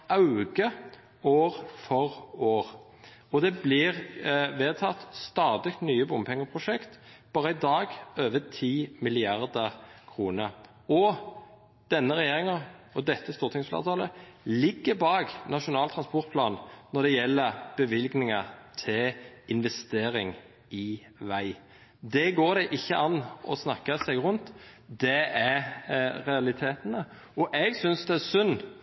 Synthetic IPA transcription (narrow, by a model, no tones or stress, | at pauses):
ʔɑʉɡə | oːʁfɔʁoːʁ | ɔd̪ɛblɪʁʋeːt̪ʰɑt̪st̪ɑːd̪ɪkt̪nyːəbʊmpʰɛŋːəpʰʁʊʃɛkt̪b̥ɑːʁəɪd̪ɑːɡøːʋət̪ʰiːmɪlɪɑʁd̪əʁkʰʁuːnə | ɔ | d̪̥ɛnːəʁɛjeːʁɪŋɑɔd̪ɛt̪ːəst̪uːʁt̪ʰɪŋsflḛːʁt̪ʰɑːləlɪɡːəbɑːɡnɑʃʊnɑːlt̪ɾɑnspɔɾt̪̚pʰlɑːnnɔɾd̪ɛjɛlːəɾb̥əʋɪlɡnɪŋɑt̪ʰɪɪnʋɛst̪eːɾɪŋ | ɪ | ʋæɪ | d̪ɛɡoːɾd̪ɛʔɪçːəʔɑnʔɔ̰snɑkːəsɛɡʁʊnt̪d̪ɛæ | ɾɛɑlɪt̪ʰeːt̪nə | ɔʔɛɡsʏnsd̪ɛæsʉnː